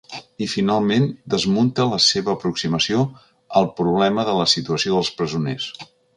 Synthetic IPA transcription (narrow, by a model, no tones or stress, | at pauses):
ifinalˠmend̪əzmunt̪ələseβəːpɾuksiməsio | əlˠpɾuβ̞lɛməðələsit̪uəsioðəlˠspɾəzunḛs